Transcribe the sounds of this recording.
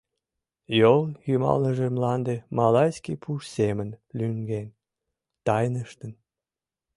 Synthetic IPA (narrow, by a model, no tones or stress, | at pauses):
joljymɑ̰lnəʒemlɑnd̪emɑlɑjskipʰuʃsemənlyŋɡen | t̪ɑjnəʃt̪ən